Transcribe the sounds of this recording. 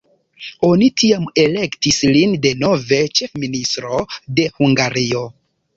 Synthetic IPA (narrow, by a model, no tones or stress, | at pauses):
o̞nitiame̞le̞ktislinde̞no̞ve̞t͡ʃe̞fministɾo̞de̞huŋɡaɾio̞